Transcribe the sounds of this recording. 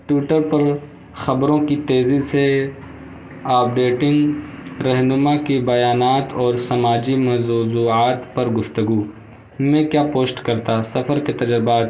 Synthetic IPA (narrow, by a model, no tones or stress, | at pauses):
ʈuːʈəɾpɐɾ | xɐbɾõkit̪eːzise | aːp̚ɖeːʈɪ̃ŋɡɾɐɦnʊmakibɐjaːnaːt̪ɔːɾsɐmaːd͡ʒimɐzzuːaːt̪pɐɾɡʊft̪ɐɡuː | mɛ̃ːkjaːpoːsʈkɐɾt̪asɐfəɾket̪ɐd͡ʒɾɪbaːt̪